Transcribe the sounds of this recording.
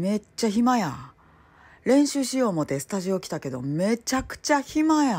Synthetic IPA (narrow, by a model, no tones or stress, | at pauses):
me̞t͡ɕːaçimaja | ɾẽ̞ɰ̃ɕɨːɕijo̞ːmo̞t̪e̞sɨ̥t̪aʑio̞kʲi̥t̪ake̞d̪o̞̰me̞t͡ɕakɯ̟̥t͡ɕaçimaja